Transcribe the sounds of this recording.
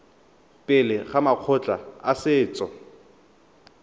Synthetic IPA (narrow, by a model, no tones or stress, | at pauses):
pʼɪlɪχamaq͡χʰʊt͡ɬʼaasɪːt͡sʼɔ